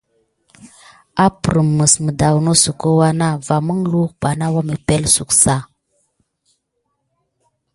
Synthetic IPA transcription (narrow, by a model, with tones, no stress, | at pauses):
a˦pɾə˨mːə˨smə˨da˨wno˦su˨ko˦wa˦na˦va˨mə˦ŋlu˦kba˨na˦wa˦mə˨pe˦lsu˨ksa˦